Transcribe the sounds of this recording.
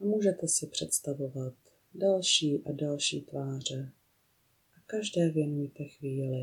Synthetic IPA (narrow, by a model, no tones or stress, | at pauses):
muːʒɛt̪ɛsɪpr̥ɛt̪st̪avo̞vat̪ | dalʃiːʔadalʃḭːt̪vaːr̝ɛ | ʔakaʒdɛːvjɛnujɛt̪ɛxviːlɪ